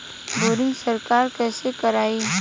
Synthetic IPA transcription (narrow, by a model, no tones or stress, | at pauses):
boːɾɪ̃ŋɡsəɾkaːɾkɛːsekɐɾaːi